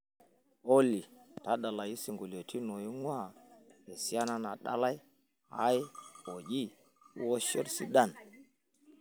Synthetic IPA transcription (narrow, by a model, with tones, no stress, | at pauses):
o˦li˨ta˦ɗa˨la˨ji˦si˨ŋɡu˨lo˨tʰi˦no˨ji˦ŋwa˦˨e˨si˦a˦na˦na˨ɗa̰˦la˦j | ha̰˦jo˨d͡ʒḭ˦ | wo˦ʃo˦ɾsi˦ɗa˦˨n